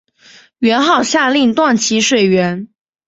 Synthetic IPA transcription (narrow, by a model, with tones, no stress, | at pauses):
ɥɛ˧˥nxɑ˥˩ʊɕja˥˧li˥˧ŋt̪wa˥˩nt͡ɕʰi˧˥ʂwe˨˩ɪɥɛ˧˥n